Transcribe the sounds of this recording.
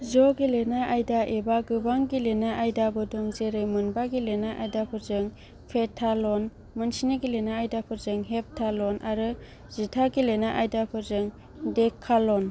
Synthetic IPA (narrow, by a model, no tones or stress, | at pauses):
zɔɡilenaʔajdaʔebaɡɯbaŋɡilenaʔajdabɯdɔŋzeɾɯjmɯnbaɡilenaʔajdapʰɯɾzɯŋ | pʰetʰalɔn | mɯnsinɯɡilenaːjdapʰɯɾzɯŋɦep̚tʰalɔnʔaɾɯ | z̥itʰaɡilenaʔajdapʰɯɾzɯŋ | dekʰalɔn